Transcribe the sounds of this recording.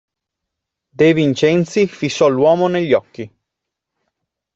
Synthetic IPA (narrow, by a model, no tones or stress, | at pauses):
d̪ejvint͡ʃɛnt̪sifisːɔlwɔːmoneʎːɔkːi